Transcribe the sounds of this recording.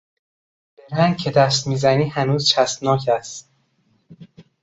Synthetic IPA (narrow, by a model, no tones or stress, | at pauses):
d̪̥eɾhæŋ̚cʰe̞d̪æst̪miːzæniːhænuːzt͡ʃʰæst̪nɒːcʰæst̪